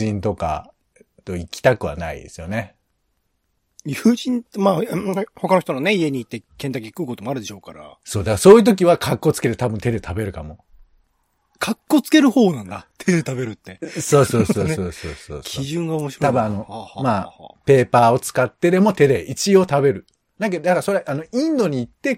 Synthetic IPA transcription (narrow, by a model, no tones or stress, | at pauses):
ĩnt̪o̞ka̰ | t̪o̞ikʲi̥t̪akɯ̟βa̰na̰ḭd̪e̞sɨjo̞ne̞ | ɯʑĩnmaːho̞kanoçit̪onone̞ie̞ɲ̟iːt̪ːe̞kẽ̞nt̪akʲiikɯːko̞t̪omoaɾɯ̟d̪e̞ɕo̞ːkaɾa̰so̞ːd̪akaso̞ːjiɯ̟t̪̬o̞k̬ʲiβakʰakːo̞t͡sɨ̥ke̞t̪et̪abɯ̟nt̪e̞d̪e̞t̪ʰabe̞ɾɯ̟kamo̞ | kʰakːo̞t͡sɨ̥ke̞ɾɯ̟ho̞ːnãnd̪at̪ʰe̞d̪e̞t̪abe̞ɾɯ̟t̪ːe̞soːso̞ːosoːso̰ːso̰ːskʲʰiʑɨ̃ŋɡaomoɕit̪abɯ̟̃ano̞maːpe̞ːpaːo̞t͡sɨ̥kat̪ːe̞d̪e̞mo̞t̪e̞d̪e̞it͡ɕio̞ːt̪abe̞ɾɯ̟ | d̪ake̞d̪od̪akaɾso̞ɾeʔano̞ĩnd̪o̞ɲ̟iːt̪ːe̞